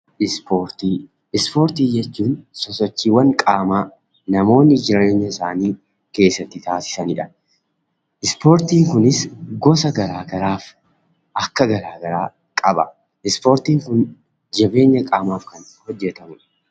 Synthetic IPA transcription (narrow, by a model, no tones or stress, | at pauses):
ʔɪspoːɾt̪iː | ɪspo̞ːɾt̪iːd͡ʒɛt͡ʃːuːnsɔsɔt͡ʃːiːwɐŋkʼaːmaː | nɐmo̞ːnːɪd͡ʒɪɾɐeːɲːɐɪsaːniː | ke̞ːsːɐt̪ːɪt̪aːsɪ̥sɐnɪᶑɐ̥ | ʔɪspo̞ːɾt̪iːŋkʊnɪsɡɔsɐɡɐɾaːɡɐɾaːf | ʔɐkːɐɡɐɾaːɡɐɾaː | kʼɐbɐ | ʔɪspo̞ːɾt̪iːŋkʊn | d͡ʒɐbe̞ːɲːɐkʼaːmaːfkɐn | hɔd͡ʒːɛt̪ɐmʊᶑɐ